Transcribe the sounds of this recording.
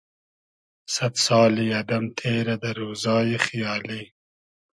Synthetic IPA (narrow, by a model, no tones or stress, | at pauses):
sat̪sɑːliɐd̪ɐmt̪ʰeːɾad̪əɾoːzɑːjexjɑːli